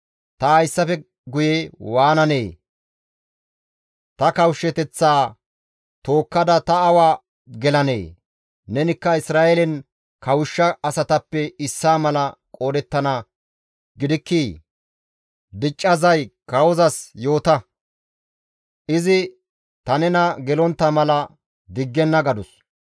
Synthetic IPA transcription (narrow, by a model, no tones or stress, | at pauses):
t̪ɐhɐjsːɐfɛ | ɡʊjewaːnɐneː | t̪ɐkɐwʃːɛt̪ɛt͡sːaː | t̪o̞ːkːɐd̪ɐt̪ɐːwaː | ɡɛlɐne̞̰ː | nɛnɪkːɐɪsɾaːʔɛlɛn | kɐwʊʃːɐɐsɐt̪ɐpːɛɪsːaːmɐlɐkʼo̞ːd̪ɛt̪ːɐnɐ | ɡɪd̪ɪkːiː | d̪ɪt͡ʃʼːɐzɐjkɐwɔzɐsjo̞ːt̪ɐ | ʔɪzɪ | t̪ɐnɛnɐɡɛlɔnt̪ːɐmɐlɐ | d̪ɪɡːɛnːɐɡɐd̪ʊs